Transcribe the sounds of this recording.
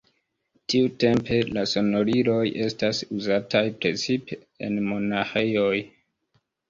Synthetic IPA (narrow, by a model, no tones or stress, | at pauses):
tiute̞mpe̞laso̞no̞ɾilo̞je̞stasuzatajpɾe̞t͡sipe | ḛnmo̞naxe̞jo̞j